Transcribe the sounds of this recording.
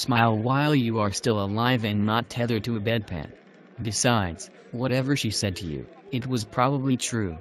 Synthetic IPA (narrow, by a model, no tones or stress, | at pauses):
smaɪlˠwaɪlˠjɨə˞stɪlˠəlaɪvɨ̃nːətʰɛðə˞ɾɨɨbɛd̚pʰæ̰̃n | b̥ɨsaɪdz̥ | wʌɾɛvə˞ʃisɛd̚tʰɨjʉ̰ | ɨt̚wʌz̥pʰɹ̥ɑbəblitʰɹ̥ʉ